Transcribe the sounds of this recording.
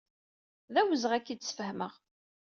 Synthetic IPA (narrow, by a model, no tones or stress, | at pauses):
ðæwəzəʁækːit͡sːsfəhməʁ